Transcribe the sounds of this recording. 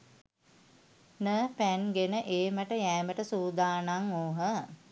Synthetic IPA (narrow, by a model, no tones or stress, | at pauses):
nəpænɡenəʔeːməʈəjæːməʈəsuːd̪aːnaŋoːɦə